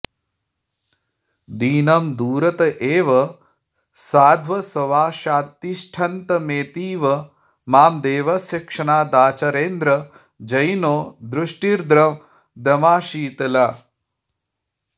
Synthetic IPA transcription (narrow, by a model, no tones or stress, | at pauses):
d̪iːnɐmd̪uːɾɐt̪ɐʔeːʋɐ | saːd̪ʱʋɐsɐʋaːʃaːt̪iʃʈʰɐnt̪ɐmeːt̪iːʋɐ | maːmd̪eːʋɐsjɐkʂɐɳaːd̪aːt͡ʃɐɾeːnd̪ɾɐ | d͡ʒɐjnoːd̪ɾuʂʈiɾd̪ɾɐ | d̪ɐmaːʃiːt̪ɐla